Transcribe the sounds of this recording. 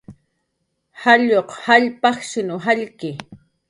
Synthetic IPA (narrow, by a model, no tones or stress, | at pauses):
haʎoqhaʎpɑxʃɪnʊɦaʎkɪ